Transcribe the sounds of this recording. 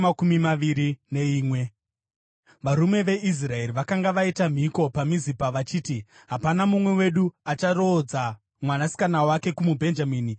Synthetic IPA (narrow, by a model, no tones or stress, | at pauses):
akumimaʋiɾine̞iːmwe̞ | ʋaɾume̞ʋe̞ʔis̬rae̞riʋakaŋɡaʋaitam̤iko̞pamizipaʋat͡ʃiːti | ɦapanamumwe̞we̞ɗuat͡ʃaro̞d͡za | mwanasi̥kanawake̞kumubʱe̞nd͡ʒamiːni